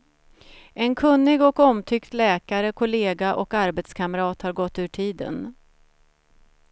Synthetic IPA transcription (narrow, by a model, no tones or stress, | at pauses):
ʔɛnkʰɵnːɪɡɔkɔmt̪ʰʏkt̪lɛːkaɾəkʰʊleːɡaʔɔkaɾbɛt̪skʰaməɾɑːt̪haɾɡɔt̪ːʉ̟ːʈʰiːd̪ə̰n